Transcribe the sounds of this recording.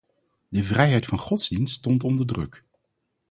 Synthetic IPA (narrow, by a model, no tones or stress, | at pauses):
dəvrɛjɦɛjtfɑnχɔtz̥dinstɔntɔndəɹdrɵ̰k